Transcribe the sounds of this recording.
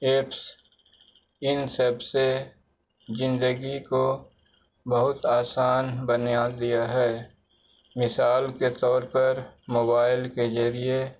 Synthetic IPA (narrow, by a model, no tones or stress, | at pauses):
eːps | ɪnsɐbse | zɪ̃nd̪əɡiko | bɐɦʊt̪aːsaːnbənjad̪ijaɦɛː | mɪsaːlket̪ɔːɾpɐɾmoːbaːɪlkezɐɾie